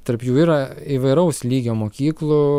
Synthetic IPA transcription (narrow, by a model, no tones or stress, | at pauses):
t̪ɐɾpjuːiːɾɐiʋɐɪɾɐʊslʲiːɡʲoːmoːkʲiːklˠʊ